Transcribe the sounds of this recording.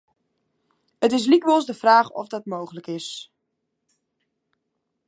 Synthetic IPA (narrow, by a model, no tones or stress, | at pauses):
ətɪs̬likʋɔlˠzdəv̥raːχɔ̰fdɑtmowχələkɪs